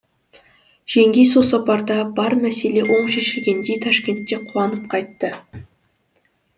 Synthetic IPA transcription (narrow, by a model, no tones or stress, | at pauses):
ʒ̥e̞ŋɡʲejsosɑpɑɾd̪ɑbɑɾmæse̞le̞ʔo̞ɴʃeʃɪlɡʲe̞nd̪e̞jt̪ʰɑʃkʲe̞nt̪ːe̞qʰuɑnəp̚qʰɑjt̪ːə